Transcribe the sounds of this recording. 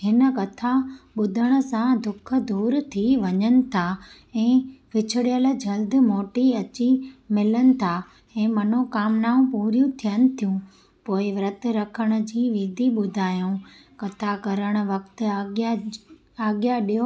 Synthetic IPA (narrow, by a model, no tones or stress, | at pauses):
ɦɪnə̆kɐt̪ʰaɓʊd̪ʱəɽ̃ə̆sãd̪ʊkʰə̆d̪uːɾt̪ʰiʋɐɲənɪ̆t̪ʰa | ɛ̃ːʋɪt͡ɕʰɪɽijəl̆d͡ʑɐld̪ɪ̆moːʈiɐt͡ɕimɪlənɪ̆t̪ʰa | ɛ̃ːmɐn̤okaːmnaːũpuːɾjũt̪ʰijənɪ̆t̪ʰijũ | poːɪʋɾɐt̪̆ɾɐkʰəɽ̃ə̆d͡ʑiːʋiːd̪ʱiɓʊd̪ʱaːjũkɐt̪ʰakɐɾəɽ̃ə̆ʋɐkt̪ɪ̆a | aːɡjaɗiɦo